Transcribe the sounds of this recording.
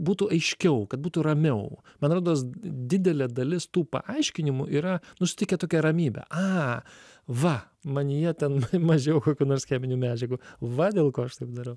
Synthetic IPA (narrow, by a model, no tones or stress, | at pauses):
buːt̪uɐɪʃʲkʲɛʊkɐt̪̚buːt̪urɐmʲɛʊ | mɐnɾoːd̪oːsd̪ʲɪd̪ʲɛlʲɛːd̪ɐlʲɪst̪uːpɐ̰ʔɐɪʃʲkʲɪnʲɪmʊʔiːɾɐnʊsʲɪ̥t̪ʲɪkʲɛt̪oːkʲɛɾɐmʲiːbʲɛ̰ʔɐː | ʋɐ | mɐnʲɪjɛt̪ʲɛnmmɐʒʲeːjɛʊkoːkʲuːnoːɾsxʲæːmʲɪnʲumʲæːd͡ʒʲɛɡuʋɐd̪ʲeːlˠkoːɐʃt̪ɐɪp̚d̪ɐɾɐʊ